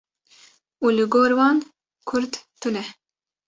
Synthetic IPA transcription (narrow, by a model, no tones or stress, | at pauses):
uːlɨɡoːɾwɑːn | kʰʊɾd̪t̪ɨnɛ